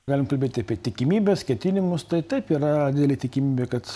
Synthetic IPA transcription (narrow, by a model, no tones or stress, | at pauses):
ɡɑːlʲɪmkɐlʲbʲeːt̪ʲɪɐpʲiɛt̪ʲɪkʲɪmʲiːbʲɛskʲɛt̪ʲɪnʲɪmʊst̪ɐɪt̪ɐɪpiːɾɐd̪ʲɪd̪ʲɛlʲeːt̪ʲɪkʲɪmʲiːbʲeːkɐt̪